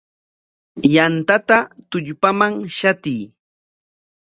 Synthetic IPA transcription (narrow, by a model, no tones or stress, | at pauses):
jant̪at̪at̪ʊʎpamaŋʃat̪ij